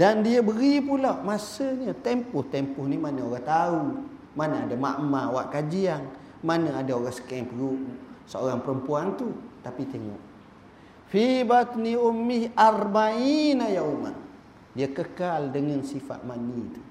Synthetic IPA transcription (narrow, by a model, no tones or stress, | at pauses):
dandiəbəɾipulawmasəɲət̪empʊht̪empʊhnimanəoɾat̪au | manəadama̰ʔmawa̰ʔkad͡ʒiaŋ | manəadaoɾasə̥kɛŋpəɡuʔsəo̰ɾaŋpəɾəmpuant̪ut̪apit̪eŋɔ̰ʔ | fibat̪niumːiharmainajauma̰ʔ | diakəkaldəŋansifa̰ʔ̪manit̪u